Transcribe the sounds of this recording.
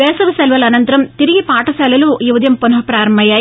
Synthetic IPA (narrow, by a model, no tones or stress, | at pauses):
ʋeːsɐʋɐsɛlʋɐlɐnɐnt̪ɾɐmt̪ɪɾɪjɐpaːʈːɐsɐlʋɐluːjuʋɐd̪jɐmpɔnɦɐpɾaːɾɐmːɐjɐ